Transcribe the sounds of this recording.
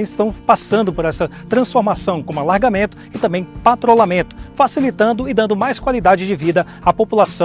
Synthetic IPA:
zɪst̪ɐ̃w̃pasɐ̃nd̪ʊpoɾɛsɐt̪ɾɐ̃sfoɾmasɐ̃w̃kõmʊalaɾɡamẽnt̪ʊ̥ɪt̪ɐ̃mbẽj̃pat̪ɾolamẽnt̪ʊ̥fasilit̪ɐ̃nd̪ʊɪd̪ɐ̃nd̪ʊmajskwalid̪ad͡ʒɪd͡ʒɪvid̪ɐ | apopulasɐ̃

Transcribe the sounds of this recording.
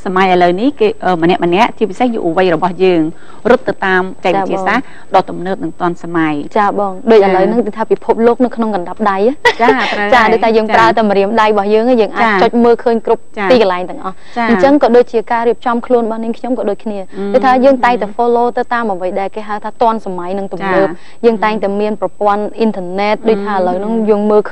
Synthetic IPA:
samajʔələwnihkeːʔəːmənɛ̆əʔmənɛ̆əʔt͡ɕiəpisehjṵʔəʋəjrɔɓɑhjəːŋ | rʊt̪ːɨwt̪aːmpt͡ɕaɛk̚aiːt͡ɕiəsːaːh | ɗɑːt̪umnəːp̚nɨŋt̪ŏənsamajt͡ɕaːɓɑːŋɗoːc̚ʔələwnɨŋɨt̪ʰaːpipʰup̚loːk̚nɨwkʰnoŋkɑnɗap̚ɗajt͡ɕat͡ɕaːɗoːct̪ʰaːjəːŋpraət̪awməɾiəmɗajɓɑhjəːŋaːjəːŋʔaːc̚ːt͡ɕoːc̚məːlkʰəːɲkrup̚t͡ɕt̪ːiːkɑlaɛŋt̪ɨ̆əŋʔɑh | t͡ɕːɨɲt͡ɕəŋkɑːɗoːc̚t͡ɕiəkaːɾiəp̚t͡ɕɑmkʰluənɓɑhniəŋkʰɲomkɑːɗoːc̚kʰniəɗoːc̚t̪ʰaːjəːŋt̪aɛŋt̪aɛfoːloːt̪ɨwt̪aːmʔəʋəjɗaɛlkeːɦaəwt̪ʰaːt̪ŏənsamajnɨŋt̪umːnəːp̚ | jəːŋt̪aɛŋt̪aɛmiənprɑpŏənʔint̪ʰəənɛːt̪̚ɗoːc̚t̪ʰaːʔələwnɨŋjəːŋməːlkʰ

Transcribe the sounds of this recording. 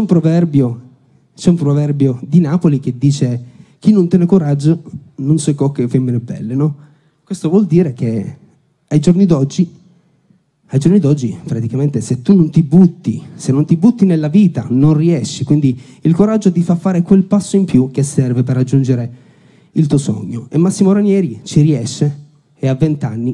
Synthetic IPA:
t͡ʃɛumpɾovɛrbjo | t͡ʃɛumpɾovɛrbjod̪inaːpolik̟ed̪ːiːt͡ʃek̟inːont̪jɛːnekuɾad͡ʒːononsokɔkːefemːinebːɛ̰lːenɔ | kwest̪ovwɔld̪iːɾek̟e | ajd͡ʒornid̪ɔd͡ʒːi | ajd͡ʒornid̪ɔd͡ʒːipɾat̪ikament̪eset̪ːunont̪ibut̪ːisenːont̪ibut̪ːinelːaviːt̪a̰nonriɛʃːikwind̪i | ilkoɾad͡ʒːod̪ifafːaːɾekwelpasːoimpjuk̟esɛrveperːad͡ʒːund͡ʒeɾe | ilt̪uosɔ̰ɲːoemːasːimoɾanjɛːɾit͡ʃiɾiɛʃːeː | avːent̪anːi

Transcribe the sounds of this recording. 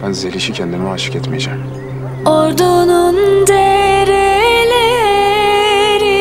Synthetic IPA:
bænzelʲiʃicʰɛnd̪imɛaʃɯ̥cɛt̪mejed͡ʒæm | oɾd̪unund̪eɾile | ɾi

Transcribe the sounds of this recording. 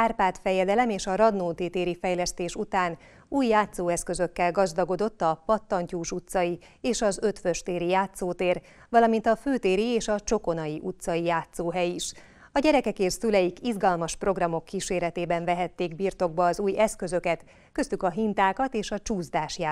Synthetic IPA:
aːrpaːt̪fɛjɛd̪ɛlɛmeːʃɒɾɒd̪noːt̪eːt̪eːɾifɛjlɛst̪eːʃut̪aːn | uːjːaːt̪soːɛskø̞zø̞kːɛlɡɒzd̪ɒɡo̞d̪o̞t̪ːɒpɒt̪ːɒɲcuːʃut̪sɒji | eːʃɒzø̞t̪fø̞ʃt̪eːɾijaːt̪soːt̪eːr | ʋɒlɒmint̪ɒføːt̪eːɾieːʃɒt͡ʃo̞ko̞nɒjiʔut̪sɒjijaːt̪soːɦɛjiʃ | ɒɟɛɾɛkɛkeːrsylɛjikizɡɒlmɒʃpro̞ɡrɒmo̞kːiʃeːɾɛt̪eːbɛɱvɛɦɛt̪ːeːɡbirt̪o̞ɡ̚bɒːzuːjɛskø̞zø̞kɛt̪ | kø̞st̪ykɒɦint̪aːkɒt̪eːʃɒt͡ʃuːzd̪aːʃja

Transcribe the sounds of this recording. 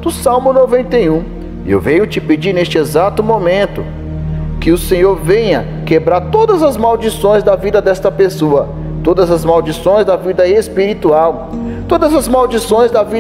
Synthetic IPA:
d̪ʊsawmʊnovẽnt̪ejũ | ḛwvẽɲʊt͡ʃɪped͡ʒiɾnest͡ʃɪezat̪ʊmõmẽnt̪ʊ | kɪʊsẽɲoɾvẽɲɐ | kebɾaɾt̪od̪ɐzɐzmawd͡ʒisõj̃zd̪ɐvid̪ɐd̪ɛst̪ɐpesoɐ | t̪od̪ɐzɐzmawd͡ʒisõj̃zd̪ɐvid̪ɐespiɾit̪uaw | t̪od̪ɐzɐzmawd͡ʒisõj̃zd̪ɐvi

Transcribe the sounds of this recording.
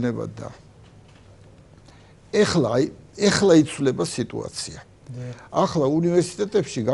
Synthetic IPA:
nɛba̰d̪a̰ | ɛaɛχlait̪sʰvlɛbasit̪ʼṵa̰t̪sʰia | aχlaunivɛɾsi̥t̪ʼɛt̪ʼɛpʃiɡa

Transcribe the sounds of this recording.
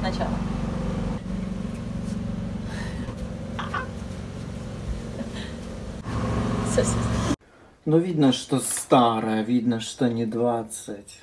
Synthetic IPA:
nɐt͡ʃa̰lˠɐ | sʲɛsʲɛ | nuvʲid̪nɐʂt̪ost̪ɑɾɐjɐvʲid̪nɐʂt̪onʲɪd̪ʋat̪sətʲ

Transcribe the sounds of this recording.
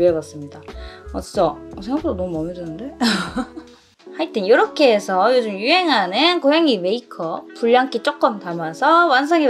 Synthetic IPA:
uʌbas͈ɯmɲidaʌt͈i̥s͈ʰʌsʰeŋɡakʰɯɾonʌmuʌmjʌdɯnɯnde̞ | haɭt͈enjoɾʌkʰe̞ːsʰʌjod͡ʑɯmjuɦe̞ŋɦanɯnkoɦeŋime̞ikʰʌpuʎːaŋk͈it͡ɕ͈ok̚k͈ʌmtamasʰʌwans̬ʰaŋi

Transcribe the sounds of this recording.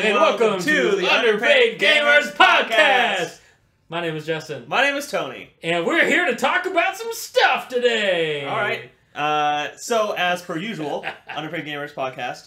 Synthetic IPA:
ɨ̃wɛlˠkə̃mtʰɨðiʌ̃ndə˞pʰeɪdɡẽɪ̃mə˞zpʰɑd̚kʰæst | maɪñẽɪ̃mɨzd͡ʒɛsɨ̃nmaɪñẽɪ̃mɨz̥tʰõʊ̃nḭɨ̃nwɪɹɦiɹɾɨtʰɔkəbaʊtsʌ̃mstʌftʰɨdeɪɔlˠɹaɪt̚ | ʔʌsoʊɨz̥fə˞jʉʒəl̩ˠʌ̃ndə˞pʰeɪvɡẽɪ̃mə˞z̥pʰɑd̚kʰæst̚

